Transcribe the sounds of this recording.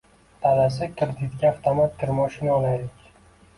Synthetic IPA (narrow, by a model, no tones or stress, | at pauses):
t̪ʰalas̬ɪkʲʰɪɾd̪ɪt̪ɡʲaaft̪ʰomat̪ʰːɪɾmɒʃɪnɒlajlɪkʲ